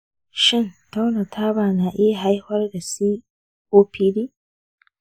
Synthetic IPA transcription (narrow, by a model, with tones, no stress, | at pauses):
ʃɪ˦nta˦wna˨tʰaː˦baː˨na˨ʔɪ˦ja˨ɦa˦jhɐ˦rɡa˨siː˦ | ʔoː˦pʰiː˦diː˦